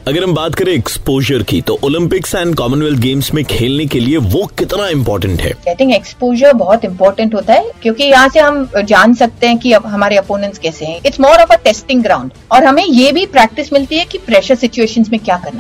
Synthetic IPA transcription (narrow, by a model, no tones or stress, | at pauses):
ɐɡəɾɦɐmbaːt̪kɐɾẽɛkspoːʒəɾkḭt̪oʔoːlɪ̃mpɪksɛ̃ːnɖkɔːmənʋɛlt̪̚ɡeːmsmẽkʰeːlnekelieʋokɪt̪naɪ̃mpɔːɾʈə̃ɳʈɦɛ̰ːaɪt̪ʰɪ̃ŋkɛkspoːʒəɾbɔɦɔt̪ɪ̃mpɔːɾʈə̃ɳʈɦoːt̪aɦɛkjõːkijɐɦãseɦɐmd͡ʒaːnsɐk̚t̪ẽɦɛ̃kiɦɐmaːɾeɐpoːnə̃nʈskɛːseɦɛ̃ɪʈsmɔːɾɔːfəʈɛːsʈɪ̃ŋɡɾãːʊ̃ɳɖ | ɔːɾɦɐmẽjeːbʱipɾɛːk̚ʈɪsmɪlt̪iɦɛkipɾɛːʃəɾsɪt͡ʃueːʃənzmẽkjaːkɐɾna